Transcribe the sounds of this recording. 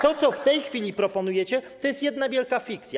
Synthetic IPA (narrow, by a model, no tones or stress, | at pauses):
t̪ɔt̪sɔft̪ɛjxfʲilʲipɾɔpɔnujɛt͡ɕɛt̪ɔjɛst̪jɛd̪navʲjɛlkafʲik̚t̪sʲja